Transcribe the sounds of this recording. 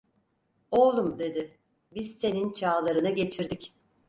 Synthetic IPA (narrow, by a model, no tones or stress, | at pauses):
olˠumd̪e̞d̪ɪ | biz̥se̞nint͡ʃʰaːlˠaɾɯnɯɟe̞t͡ʃʰiɾd̪ic